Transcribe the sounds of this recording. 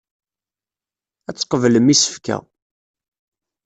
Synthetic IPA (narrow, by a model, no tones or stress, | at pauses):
æt͡sːqəvləmisə̥fkæ̰